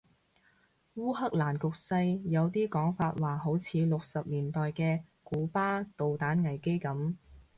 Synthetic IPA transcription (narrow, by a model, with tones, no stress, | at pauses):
wuː˥hɐ˥k̚laː˨˩nkʊ˨k̚sɐ˧jjɐ˨˧wt̪iː˥kɔː˨˥ŋfaː˧t̚waː˨˩ɦo˨˥wt͡sʰiː˨˧lʊ˨k̚sɐ˨p̚liː˨˩nt̪ɔː˨jkɛː˧ | kuː˨˥paː˥t̪o˨wt̪aː˨˥nŋɐ˨˩jke˥jkɐ˨˥m